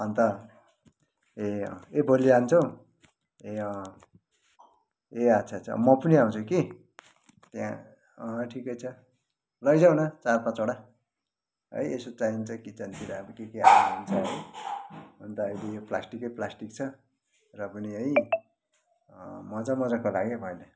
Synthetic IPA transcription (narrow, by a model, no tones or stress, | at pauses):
ʌnt̪ʌ | eʌ̰̃ebʱoliant͡sʰʌw | eʌ̃ | eat͡sʰat͡sʰʌ̰mʌpʌniaũt͡sʰuki | t̪jã̰ | ʌʈʰikʌjt͡sʰʌ | lʌjd͡zaw̃nʌt͡sarpãt͡soɽa | ʌ̰jesot͡saint͡sʰʌkit͡sʌnt̪iɾaʌbʌkekeɦaunt͡sʰʌʌj | bʱʌnt̪ʌːilejoplasʈikʌjplasʈik̚t͡sʰʌ | rʌpʌniʌj | mʌd͡zamʌd͡zakolaɡebʱʌenʌ